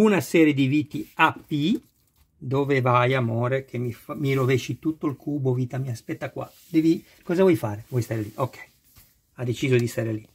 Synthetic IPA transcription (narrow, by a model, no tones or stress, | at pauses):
unasɛːɾjed̪ivit̪iapːi | d̪oːvevajamoːɾek̟ʰemifamiɾovɛʃit̪ut̪ːolkʰuːboviːt̪amiaspɛt̪ːakwa̰ | d̪ɛvi | kɔːzavɔjfaːɾevwɔjst̪aːɾeliʔokːɛ̥j | ad̪ːet͡ʃiːzod̪ist̪aːɾeli